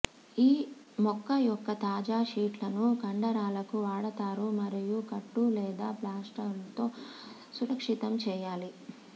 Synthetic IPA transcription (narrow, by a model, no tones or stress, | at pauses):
iː | mɔkːɐjɔkːɐt̪aːd͡ʒaːʂiːʈlɐnukɐɳɖɐɾaːlɐkuʋaːɽɐt̪aːɾumɐɾijukɐʈːulɛːd̪aːplaːsʈɐɾlɐt̪o̞ː | suɾɐkʂit̪ɐmt͡ʃɛːjaːli